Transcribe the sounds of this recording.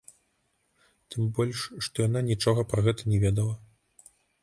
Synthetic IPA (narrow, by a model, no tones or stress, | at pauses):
t̪ɨmbɔlʲʂʂt̪ɔjananʲit͡ʂɔɣɐpɾɐɣɛt̪ɐnʲɛvʲɛd̪ɐlˠɐ